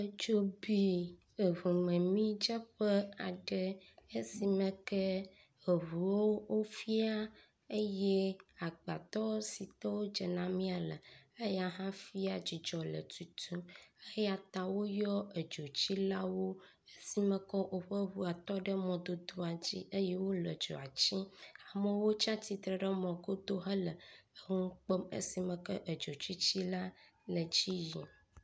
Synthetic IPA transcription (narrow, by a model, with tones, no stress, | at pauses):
d͡ʒo˦bi˦ | e˨βu˨mɛ̃˨mĩ˦d͡ʒɛ˦ɸɛ˦a̰˨ɖɛ˦e˦si˨mɛ̃˦kɛ˦ | e˨ɦu˨wo˦wo˦fi˦a˦ | e˦jɛ˦a˨ɡ͡ba̰˨t̪ɔ˦si˨t̪ɔ˦wo˦d͡ʒɛ˨nã˦mĩ˦a˨lɛ˨e˦ja˨ɦã˦fi˦a˨d͡ʑi˨d͡ʒɔ˨lə̰˨t̪u˨t̪ʰũ˦ə˦ha˨t̪a˨wo˦jɔ˦ə˨d͡ʒo˨t͡ɕi˦la˦wo˦ | e˦si˦mə̃˨kɔ˦ʔo˨ɸə˦ɦu˦a˨t̪ɔ˦ɖə˦mɔ̃˨d̪o˦d̪o˦a˨d͡ʑḭ˦ʔə˦jɛ˦wo˦lə˨d͡ʒo̰˨a˨t͡ɕĩ˦a˨mə̃˦wo˦t͡ʃã˦t̪i˨t̪ɾə˨ɖə˦mɔ̃˨ɡo˦d̪o˦ɦə˦lə˨ə˦ŋũ˦k͡pə˦mə̰˦si˨mə̃˨kə˦ʔə˨d͡ʒo˨t͡ɕi˦t͡ɕi˦la˦ | lə˨d͡ʑi˦ji˨